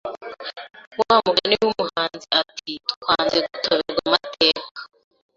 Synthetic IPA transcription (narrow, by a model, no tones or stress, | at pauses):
wawamuɡaniwumuhaːnziatʰitu̥kʰaːnziɡutʰoβeɾɡwamatʰe̞ːkḁ